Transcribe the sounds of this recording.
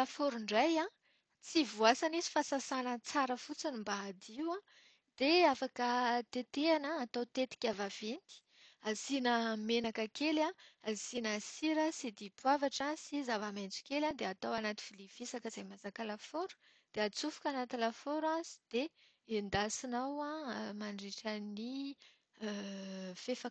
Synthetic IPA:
lafoɾuɳɖ͡ʐajã | t͡sivuasanisi̥fasasanət͡saɾəfut͡sinimbaːd̪iwã | d̪̥eafakət̪et̪eanaːt̪awt̪et̪i̥kʲavavent̪i̥ | azinəmenakəkelãazinəsiɾəsid̪ipwavaʈ͡ʂasizavamajnt͡si̥kʲelad̪eat̪awanat̪i̥filivisakəz̥ajmazakalafoɾu̥ | d̪̥eat͡sufu̥kʲanat̪ilafoɾãsi̥d̪̥e | end̪asinawãmaɳɖ͡ʐiʈ͡ʂəni | fefa

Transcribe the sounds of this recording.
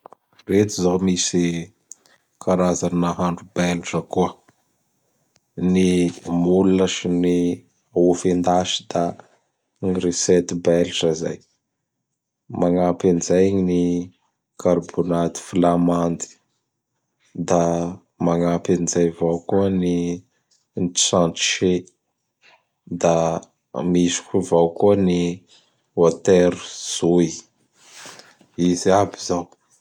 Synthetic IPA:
ret̪izomisi | kʰaɾazannaɦaɳɖ͡ʐubelʈ͡ʂəkuə | nimuluaʃini | aofend̪aʃi̥d̪̥a | ŋiresɛt̪ibɛlʈ͡ʂəza̰j | maŋapinizajɲini | kaɾbonat̪i̥filamand̪i̥ | d̪a | maŋapanid͡ʒajvawkuəni | nt͡sãnʈ͡ʂʃe | d̪a | misu̥kʲivawkuəni | ot̪eɾu̥z̥ui | iziabizaw

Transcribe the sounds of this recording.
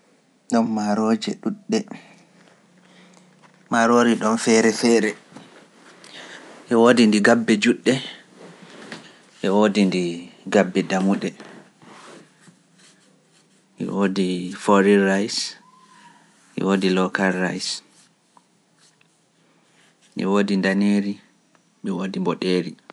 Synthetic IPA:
ɗɔnmaɾod͡ʒɛɗuɗːɛ | maɾoːɾiɗɔnfɛɾɛfɛːɾɛ | ʔɛwodindiɡabːɛd͡ʒuɗːɛ | ʔɛwoːdindiɡabːɛdamuɗɛ | mḭwoːdifɔɾiɾajs | ʔḭwoːdilɔkalːa̰js | mḭwoːdindaneɾi | ɓɛwoːdimbɔɗeːɾi

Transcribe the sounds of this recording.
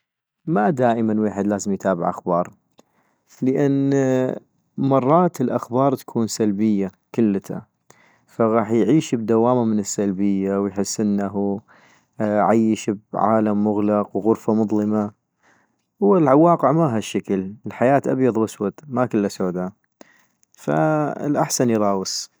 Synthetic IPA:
mad̪aːʔɪmanweːħɪd̪laːzɪmjt̪ʰaːbɪ̰ʕʔa̰xbɑːɾˤ | ləʔan | mɑrˤːɑːt̪ɪlʔaxbɑːɾˤt̪ḁkʰuːnsalbɪjːa | kʊlːt̪a̰ | faɣɑːħjʕiːʃbd̪awaːmamɪnɪsːalbɪjːawjħɪsːʔɪnːaɦu | ʕajːʃɪbʕa̰ːlamːʊɣlɑqwɣʊɾfamʊðˤlɨma | wɪlʕawɑːqəʕmaɦaʃːakəllħajaːt̪ʔa̰bjɑðˤwaswat̪makɪlːasoːd̪a | fa̰ɪ̰lʔaħsanjɾˤɑːwɪsˤ

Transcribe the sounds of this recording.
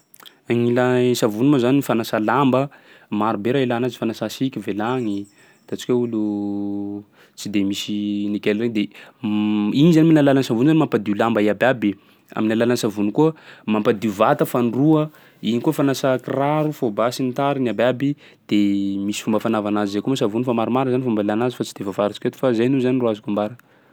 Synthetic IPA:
aŋilasavunumazaniifanasalambə | maɾubeɾailanazi̥fanasasikʲivelaŋi | t̪at͡si̥kʲaulu | t͡sid̪emisinikelreŋd̪e | iɲizaniminalalansavunzanmampad̪ilambaiabʲabi | a̰minalalansavunikuəmampad̪iuvat̪əfaniruə | iɲikuəfanasakiraɾufobasinit̪aɾinababi | d̪̥emisi̥fumbəfanavanazizekumasavunfamaɾumaɾəzanifumbalanazi̥fat͡sid̪evavaɾit͡si̥ket̪i̥fazajnuzaniruazakumbaɾə

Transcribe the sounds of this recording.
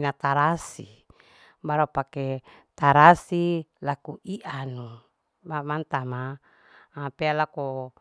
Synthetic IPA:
nat̪aɾasḭ | baɾapake | t̪aɾasilakuʔiʔanu | mamant̪ama | apealako

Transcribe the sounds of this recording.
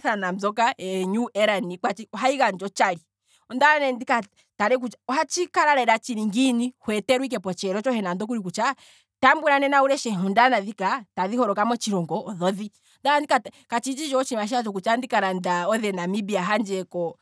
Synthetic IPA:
θanam̩zɔkaɛɲuʔɛɾanikwat͡ʃiɔɦaiɣand͡ʒɔt͡ʃaɾi | ɔndanɛndika | taɾɛk̬ut͡ʃaɔɦat͡ʃikaɾaɾɛɾat͡ʃiɾiŋɡinihwɛtɛɾuik̬ɛpɔt͡ʃɛɾɔt͡ʃɔhɛnandɔk̬uɾikut͡ʃa | tambuɾanɛnauɾɛʃɛɦɔndanaðikataðihɔɾɔkamwɛt͡ʃiɾɔŋɡɔːðɔði | ndandikakat͡ʃid͡ʒit͡ʃɔt͡ʃiimaʃ̬iat͡ʃɔkut͡ʃandikaɾandaɔðɛnamibiaɦand͡ʒɛkɔ

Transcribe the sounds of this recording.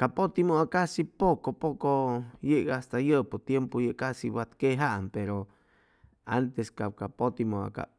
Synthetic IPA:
kapot̪imoakasipokopokojeʔɡaast̪ajəʔpot̪jempojeʔkasiwat̪keɦaʔampeɾo | a̰nt̪eskakapot̪imoa̰ka̰

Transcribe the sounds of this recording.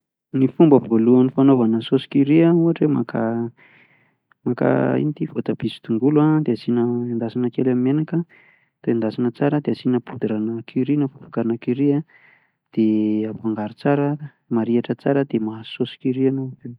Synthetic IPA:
nifumbəvoluanifanovanəsosi̥kiɾiauaʈ͡ʂemaka | maka̰ḭnit̪ifot̪ab̥isi̥t̪uŋɡuluad̪easinəand̪asinəkelamimenakə | t̪oand̪asinət͡saɾəd̪easinəpud̪iɾanəkʰiɾinəfufḁkaɾanakiɾia | d̪̥eapaŋɡaɾit͡saɾə | maɾiaʈ͡ʂət͡saɾəd̪emasosi̥kiɾianove

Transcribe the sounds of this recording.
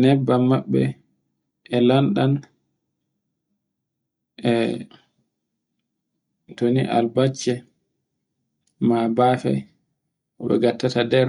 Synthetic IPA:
nɛbːamaɓːɛ̰ | ʔɛlanɗan | ʔɛ | tonḭʔa̰lbat͡ʃːɛ | mabaːfɛ̰ | ʔɔɓɛ̰ɡatːatadɛɾ

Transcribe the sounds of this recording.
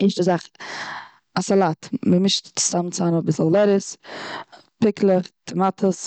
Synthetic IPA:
ɪʃdəzaχ | asalˠatməmɪʃtt͡sɪ̥z̥amnt͡sanɔbɪsllɛɾəs | pɪkʰlˠətʰɪmatʰəs

